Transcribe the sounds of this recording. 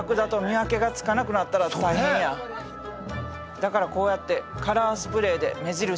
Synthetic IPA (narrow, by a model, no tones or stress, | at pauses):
kɯ̟d̪at̪o̞mʲiake̞ɡat͡sɨ̥kanakɯ̟nat̪ːaɾat̪aihẽɰ̃ja | d̪̥akaɾako̞ːjat̪ːe̞kaɾaːsɨ̥pɯ̟ɾe̞ːd̪e̞̰me̞ʑiɾɯ̟